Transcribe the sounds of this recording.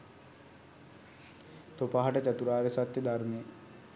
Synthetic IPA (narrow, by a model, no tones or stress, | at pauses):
t̪opaɦaʈət̪æt̪uɾaːɾesat̪jed̪armee